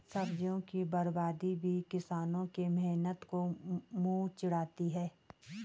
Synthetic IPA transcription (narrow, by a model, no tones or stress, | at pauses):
sɐbd͡ʒjõkibɐɾbaːd̪ibʱikɪsaːnõkemɛɦnət̪komũːt͡ʃɪɽaːt̪iɦɛː